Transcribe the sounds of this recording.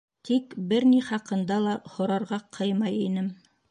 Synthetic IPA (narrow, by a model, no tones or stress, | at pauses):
t̪ʰikbɘɾniχɑqɤ̆nd̪ɑlˠɑhŏɾɑɾʁɑqʰɤjmɑjinɘm